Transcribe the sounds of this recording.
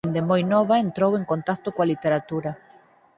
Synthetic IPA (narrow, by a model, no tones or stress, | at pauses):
nd̪emojnoβaent̪ɾoweŋkont̪ast̪okoalit̪eɾat̪uɾa